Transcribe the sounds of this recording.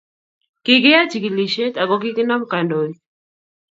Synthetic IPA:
kɪ˨kɪ˦a˦t͡ʃi˨ki˨li˨ʃe˦ta˨ɡɔ˦kɪ˦kɪ˦na˦mka˨ndo˨i˦

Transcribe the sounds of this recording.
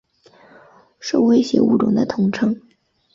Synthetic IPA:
ʂo˥˩ʊwe˥ɪɕjɛ̰˧˥ṵ˥˩ʈ͡ʂʊ˨˩ŋd̪ə˦t̪ʰʊ˧˥ŋʈ͡ʂʰɤ˥ŋ

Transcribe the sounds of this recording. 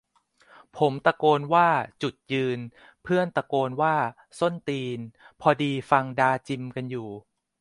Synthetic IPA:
pʰo˩˦mt̪a˧koː˧nwaː˥˩t͡ɕu˨˩t̪̚jɯː˧n | pʰɯ˥˩ənt̪a˧koː˧nwaː˥˩ | so˥˩nt̪iː˧npʰɔ˧diː˧fa˧ŋdaː˧t͡ɕi˧mka˧njuː˨˩

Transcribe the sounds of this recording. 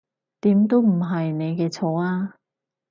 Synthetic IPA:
t̪iː˨˥mt̪o˥wm̩˨˩ɦɐ˨jne˨˧jkɛː˧t͡sʰo˨˥waː˧

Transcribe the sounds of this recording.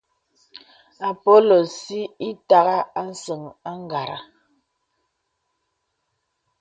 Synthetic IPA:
a˨po˦lo˨si˦i˦ta˦ɣa˦a˦n̩˦sə˨ŋa˦ŋ˦ɡa˨ɾa̰˨

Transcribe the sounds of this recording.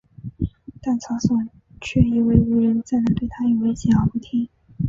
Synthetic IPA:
t̪a˥˩nt͡sʰɑ˧˥ʊsɔ˨˩˦ | t͡ɕʰɥɛ˥˩i˧˥we˥˩ɪu˧˥ɻə˧˥nt͡sa˥˩ɪn˧˥ŋt̪we˥˩ɪt̪ʰa˥i˨˩we˥ɪɕjɛ˨˩ɑ˨˥˩ʊpu˥˩t̪ʰi˥ŋ

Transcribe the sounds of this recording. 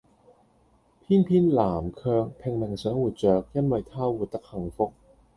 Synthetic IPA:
pʰiː˥npʰiː˥nlaː˨˩mkʰœː˧ŋpʰɛ˨˩ŋnɛ˨˩ŋsœː˨˥ŋwuː˨˩t̚t͡sœː˨˩k̚jɐ˥nwɐ˨˧jt̪ʰaː˥wuː˨˩t̚t̪ɐ˧k̚hɐ˨˩ŋfo˧k̚

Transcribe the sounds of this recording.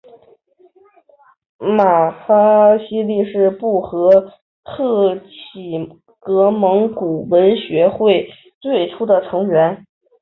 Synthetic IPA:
ma˨˩xa˥ɕi˥li˥˧ʂɻ̩˥˧pu˥˩xɤ˧˥ | t̪ʰɤ˥˩t͡ɕʰi˨˩ | kɤ˧˥mɤ˧˥ŋku˨˩wə˧˥nɕɥɛ˧˥xwe˥˩ɪ | t͡swe˥˩ɪʈ͡ʂʰu˥d̪ə˨ʈ͡ʂʰɤ˧˥ŋɥɛ˧˥n

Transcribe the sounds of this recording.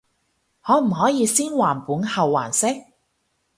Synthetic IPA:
hɔː˨˧m̩˨˩ɦɔː˨˥jiː˨˧siː˥nwaː˨˩npuː˨˥nhɐ˨wːa̰ː˨˩nsɪ˥k̚

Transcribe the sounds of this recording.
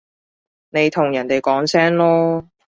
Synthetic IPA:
ne˨˧jt̪ʰʊ˨˩ŋjɐ˨˩nt̪e˨jkɔː˨˥ŋsɛː˥ŋlɔː˥

